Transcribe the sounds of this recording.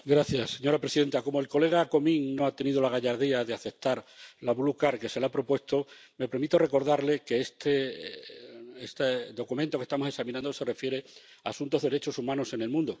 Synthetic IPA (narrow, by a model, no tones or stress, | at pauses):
ɡɾaθjasːe̞ɲo̞ɾapɾe̞siðe̞nt̪ako̞moe̞lko̞le̞ɣ̞ako̞mĩŋno̞at̪e̞niðolaɣ̞aʝaɾðiaðe̞aθe̞p̚t̪aɾlaβulukaɾke̞se̞lapɾo̞pwe̞st̪o̞me̞pe̞ɾmit̪o̞re̞ko̞ɾð̞aɾle̞ke̞est̪e | est̪eðo̞kument̪o̞kest̪amo̞se̞saminãnd̪ose̞re̞fje̞ɾe̞aːsũnt̪o̞ɦðe̞eɾet͡ʃo̞sumãno̞sene̞lmũnd̪o